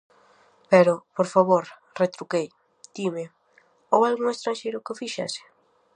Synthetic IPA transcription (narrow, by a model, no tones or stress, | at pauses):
pɛɾʊpoɾfaβoɾ | ret̪ɾukej | d̪̥imɪ | owalɣuŋest̪ɾanʃejɾʊkɪfiʃa̰sɪ̥